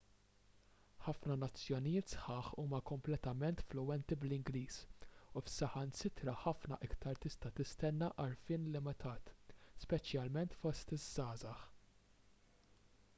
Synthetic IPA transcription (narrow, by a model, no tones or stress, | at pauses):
ħɐfnɐnɐt͡sːjɔnɪjɪːt̪sħɐːħuːmɐkɔmplɛt̪ɐmɛnt̪flʊwɛnt̪iblɪŋɡliːsufsɐħɐnsɪt̪ɾɐħɐfnɐ̰ʔɪkt̪ɐɾt̪ɪst̪ɐt̪ɪst̪ɛnːɐʔɐɾfɪːnlɪmɪt̪ʰɐːt̪spɛt͡ʃjɐlmɛnt̪fɔst̪ɪzːɐːzɐħ